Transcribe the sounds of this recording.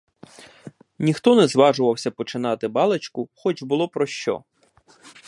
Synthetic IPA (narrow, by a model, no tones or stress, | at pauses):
nʲixt̪ɔnɛzʋɑʒʊʋɐwsʲɐpɔt͡ʃɪn̪ɑt̪ɪbɑlˠet͡ʃkʊxɔt͡ʃbʊlˠɔpɾɔʃt͡ʃɔ̰